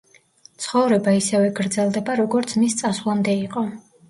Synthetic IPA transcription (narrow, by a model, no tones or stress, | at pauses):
t̪sʰχɔvɾɛbaisɛvɛɡɾd̪zɛlˠd̪ɛbaɾɔɡɔɾt̪sʰmist̪sʼasvlˠamd̪ɛiqʼɔ